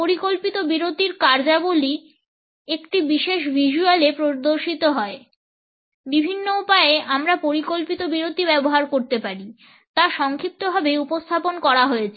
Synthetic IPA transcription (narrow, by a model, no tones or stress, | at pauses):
poɾikolpit̪obiɾot̪iɾkaɾd͡ʑaboli | ekʈibiʃeʃbʱiʃualepɾod̪oɾʃit̪oɦɔe | bibʱinːoupaeeʔamɾapoɾikolpit̪obiɾot̪ibɛboɦaɾkoɾt̪epaɾi | t̪aʃɔŋkʰip̚t̪obʱabeupost̪ʰaponkɔɾaɦojet͡ɕʰe